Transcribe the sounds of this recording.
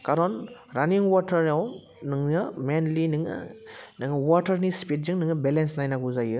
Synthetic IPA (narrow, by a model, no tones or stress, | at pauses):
kaɾɔnɾaniŋwɔtʰɐɾaw | nɯŋnɯmenlinɯŋɯ̰nɯŋwɔtʰɐɾnispit̚ziŋnɯŋɯbelensnajnaɡuzajɯ